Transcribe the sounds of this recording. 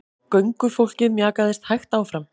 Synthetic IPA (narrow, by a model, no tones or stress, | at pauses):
kœɥŋkʏfowl̥cɪðmjaːkaðɛst̪hajxt̪aːwfɾam